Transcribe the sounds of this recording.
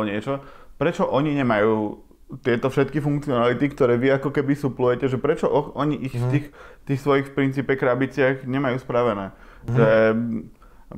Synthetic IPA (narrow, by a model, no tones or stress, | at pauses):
ɲɪɛt͡ʃɔ | pɾɛt͡ʃɔʔɔɲiɲɛmajuː | t̪ɪɛt̪ɔfʃɛt̪kifuŋkt͡siɔnalit̪ikt̪ɔɾɛːʋiakɔkɛbisuplujɛcɛʒɛpɾɛt͡ʃɔʔɔxʔɔɲiʔixft̪iːxt̪iːxsʋɔjixfpɾint͡siːpɛkɾabit͡sɪaɣɲɛmajuːspɾaʋɛnɛː | ʒɛ